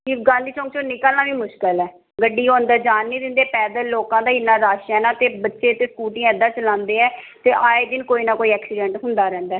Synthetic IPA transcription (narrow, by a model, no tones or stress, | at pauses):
kiɡãːnd̪iːt͡ʃɔ̃ːŋɡt͡ʃoːnɪkalnaːʋiːmʊʃkəlɛː | ɡəɖːiːɦõːnd̪aːd͡ʒaːnːĩːd̪ɪ̃nd̪eːpɛːd̪əlːoːkãːd̪aːɪnːãːɾaːʃɛːnãːt̪eːbətːʃeːt̪eːskuːʈĩːɛd̪ãːt͡ʃəlãːnd̪eːɛː | t̪eːʔaːeːd̪ɪnkoːiːnaːkoːiɛːksiːɖɛ̃ːɳʈɦʊnd̪aːɾɛ̃ːnd̪aː